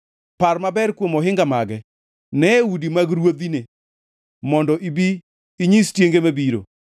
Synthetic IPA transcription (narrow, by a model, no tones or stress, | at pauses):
parmabɛɾkwomɔɦɪŋɡamaɡɛ | nɛwudimaɡɾwod̪ine | mɔndɔʔibiː | ɲistjeŋɡemabiɾo̰